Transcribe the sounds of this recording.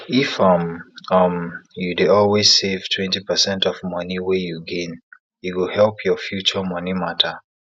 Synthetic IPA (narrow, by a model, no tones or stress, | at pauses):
ifʌmʌmjudeɔlˠwez̥sev̥tʰwɛ̃ntipəsɛ̃ntɔvmʌniwɛjuɡẽn | juwuhɛlˠpʰjɔfjut͡ʃəmʌnimatʰə